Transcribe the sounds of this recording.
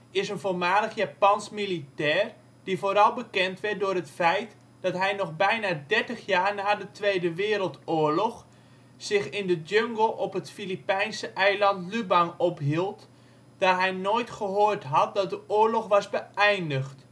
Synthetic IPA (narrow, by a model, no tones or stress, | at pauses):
ɪsənvoːlˠmaːləxjaːpɑnsmilitɛːr | d̥ifoːɾɑlˠbəkɛntʋɛrt̚dʊːrətfɛjt | d̥ɔtɦɛjnɔxbɛjnaːdɛrtəxjaːrnaːdətʋejdəʋɪːɾəlˠtoːəɹlɔx | sɪxɪndəd͡ʒøŋɡəlˠɔpətfilipɛjnsəʔɛjlɑntlybanɔpɦilˠt | d̥aːɦɛjnojtχəɦoːrtɦɑt̚dɔt̚dəʔoːɹlɔxʋɑsbəɛjndəxt